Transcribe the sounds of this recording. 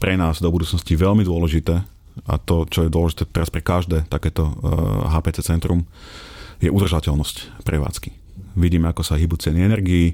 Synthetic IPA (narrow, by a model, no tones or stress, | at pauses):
pɾɛnaːzd̪ɔbud̪uːt͡snɔsciʋɛlmid̪ʊɔlɛʒit̪ɛː | a̰t̪ɔt͡ʃɔjɛd̪ʊɔlɛʒit̪ɛːt̪ɛɾaspɾɛkaʒd̪ɛːt̪akɛːt̪ɔɦaːpɛːt͡sɛt͡sɛnt̪ɾum | jɛʔud̪r̩ʒacɛlnɔscpɾɛʋa̰ːt͡ski̥ | ʋiɟiːmɛakɔsaɦibut͡sɪɛniɛnɛɾɡiː